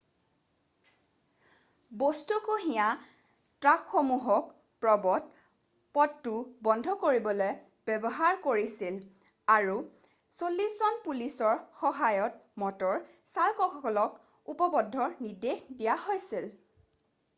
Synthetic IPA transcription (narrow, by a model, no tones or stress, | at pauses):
bostukoɦĩja | tɹakxɔmuɦɔk | pɹɔbɔt̚ | pɔttːubɔndʱɔkoɹibɔloj | b̥ɛbɔɦaɹkoɹisil | aɹu | solːiszɔnpulisɔɹxɔɦajɔtmɔtɔɹ | salkɔxɔkɔlɔk | upɔbɔdʱːɔɹnidexdijaɦojsil